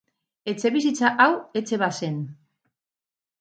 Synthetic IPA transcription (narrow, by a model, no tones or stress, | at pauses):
e̞t͡se̞βis̬it͡saʔawe̞t͡se̞βase̞n